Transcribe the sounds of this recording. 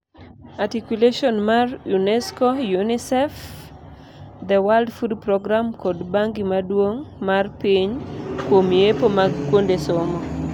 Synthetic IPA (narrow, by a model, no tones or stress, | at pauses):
atikuleʃɔnmarjunɛskojunisɛf | d̪ɛwaldfudpɾɔɡɾamkɔdbaŋɡimadwoŋmarpiɲkwomiepomakwondesɔmɔ